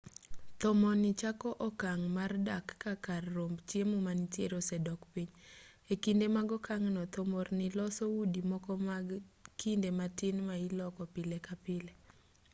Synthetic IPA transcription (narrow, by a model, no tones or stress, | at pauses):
t̪ɔmɔnɪt͡ʃakɔʔɔkaŋmardakːakarːombt͡ʃjemumanitjeɾosɛdɔkpiɲ | ekindemaɡɔkaŋnɔt̪ɔmɔrnɪlɔsɔudimɔkɔmakindematɪnmailɔkɔpɪlekapɪle